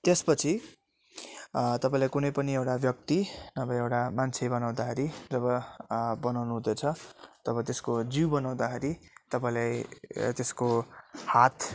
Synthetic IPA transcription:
t̪espʌt͡sʰi | t̪ʌpaĩlajkunʌjpʌniewʈabjʌk̚t̪inʌbʌjewʈamant͡sʰebʌnaw̃d̪akʰeɾid͡zʌbʌbʌnawnuɦũd̪et͡sʰʌt̪ʌβʌt̪eskod͡ziwbʌnaw̃d̪akʰeɾit̪ʌpaĩlajt̪eskohat̪ʰ

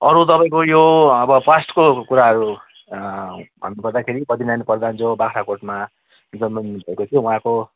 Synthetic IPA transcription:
ʌɾut̪ʌpaeĩkojoʌbʌpasʈkokuɾaɦʌɾu | bʱʌ̰nːupʌrd̪akʰeɾipʌd̪inanipʌrd̪and͡zobakʰɾakoʈma | d͡zʌnmʌnbʱʌekot̪ʰijõũɦãko

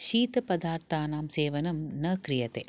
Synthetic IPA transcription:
ʃiːt̪ɐpɐd̪aːɾt̪ʰaːnaːmseːʋɐnɐmnɐkɾijɐt̪eː

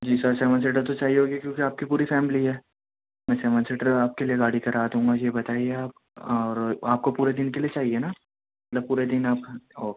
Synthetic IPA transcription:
d͡ʒiːsəɾsɛːʋəns̬eːʈəɾt̪ot͡ʃaːɦieɦoːɡikjõːkiaːp̚kipuːɾifɛːmɪliɦɛː | mɛ̃ːsɛːʋə̃nseːʈəɾaːp̚kelieɡaːɽikɐɾaːd̪ɦũːŋɡajebɐt̪aːieaːp̚ | ɔːɾaːp̚kopuːɾed̪ɪnkeliet͡ʃaːɦiena | mɐt̪ləb̚puːɾed̪ɪnaːpɔː

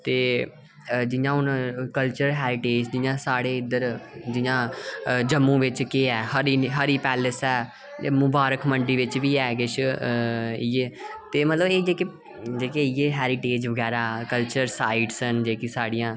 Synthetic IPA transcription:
t̪eː | d͡ʒɪjãːɦʊnkəlt͡ʃəɾɦɛːɾɪʈeːd͡ʒd͡ʒɪjãːsaːɽeːɪd̪əɾd͡ʒɪjãːd͡ʒəmːũːʋɪt͡ʃkeɛːhəɾiːɦəɾiːpɛːləsɛː | mʊbaːɾəkməɳɖiːʋɪt͡ʃʋiːɛːkɪʃ | ɪjeːt̪eːmət̪ləbeːd͡ʒeːke | d͡ʒeːkeɪjeːɦɛːɾɪʈeːd͡ʒʋəɡɛːɾaːkəlt͡ʃəɾsaːiːɖsənd͡ʒeːkisaːɽɪjãː

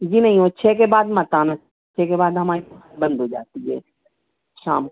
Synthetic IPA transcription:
d͡ʒiːnɐɦĩɦoːʃʰek̬ebaːd̪mɐt̪aːn | tːʃʰekebaːd̪ɦɐmaːɾitːt̪bɐ̃nd̪ʱɦod͡ʒa̰ːt̪iɦɛ̰ː | ʃaːm

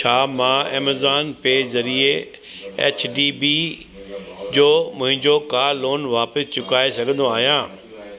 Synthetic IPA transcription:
t͡ɕʰaːmãːɛ̰ːməzaːnpezɐɾie | ḛːt͡ɕʰɖiːbi | d͡ʑoːmʊ̃ɦɪ̃ɲd͡ʑokaːloːnʋaːpəst͡ɕʊkaːesɐɡʱə̃nd̪oaːɦijãː

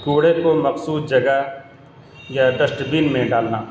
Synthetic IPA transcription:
kuːɽekoməksuːd̪d͡ʒəɡə | jaɖəsʈbiːnmẽɖaːlnaː

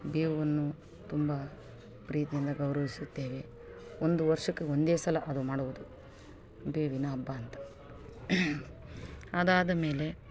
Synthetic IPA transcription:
beːʋɐnːu | t̪umba | pɾiːt̪ijind̪ɐɡɐwɾɐʋisut̪ːe̞ːʋe̞ | ond̪uʋɐɾʂɐkːeond̪e̞ːsɐlɐʔɐd̪umaːɽuʋud̪u | beːʋinɐːbːaːnt̪ɐ̥ | ɐd̪aːd̪ɐme̞ːle̞

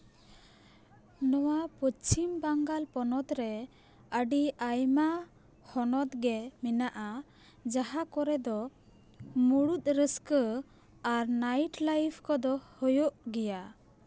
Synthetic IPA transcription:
nɔwapɔt͡ʃimbaŋɡalpɔnɔt̪ɾɛ | əɖiajma | hɔnɔt̪̚ɡɛmɛnaʔa | d͡ʒaɦakɔɾɛd̪ɔ | muɽut̪̚ˀɾəskə | aɾnajʈlajpʰkɔd̪ɔhɔjɔʔɡɛja

